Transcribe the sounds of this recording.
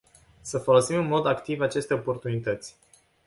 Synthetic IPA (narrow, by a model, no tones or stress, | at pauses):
səfo̞lo̞simɨnmo̞d̪akt̪ivat͡ʃe̞st̪eopo̞rt̪unit̪ət̪sʲ